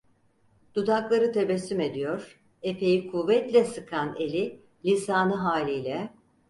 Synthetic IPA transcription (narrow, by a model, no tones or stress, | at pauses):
d̪̥ud̪aklˠaɾɯt̪ʰe̞bɛsːyme̞d̪ijo̞ɾ̥ | e̞pʰe̞jikʰuvɛt̪lʲɛsɯkʰane̞lʲi | lʲisaːnɯɦaːlʲijlʲɛ